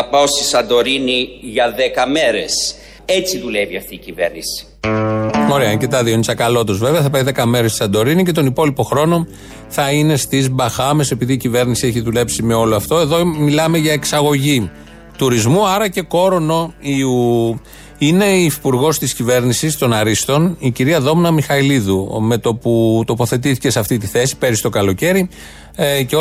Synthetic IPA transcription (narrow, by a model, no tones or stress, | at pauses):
ɐpɐost̪isɐnd̪o̞ɾiniʝɐðekɐmeɾḛs | et͡siðuleviɐft̪iːcivḛɾnisi̥ | o̞ɾeɐɲcet̪ɐðionisɐkɐlo̞t̪ozve̞veɐθɐpɐiðe̞kɐme̞ɾest̪i̥sɐnd̪o̞ɾinice̞t̪o̞nipo̞lipo̞xɾo̞no̞ | θɐine̞st̪izbɐxɐme̞se̞piðiːcive̞ɾnisieçiðule̞psime̞o̞loɐft̪o̞e̞ðomilɐme̞ʝɐeksɐɣo̞ʝi | t̪uɾizmuɐɾɐce̞ko̞ɾo̞no̞iu | ine̞ifipuɾɣo̞st̪iscive̞ɾnisist̪o̞nɐɾist̪o̞niciɾiɐðo̞mnɐmixɐiliðume̞t̪o̞put̪o̞po̞θe̞t̪iθice̞sɐft̪it̪iθe̞si̥pe̞ɾist̪o̞kɐlo̞ce̞ɾi | ceo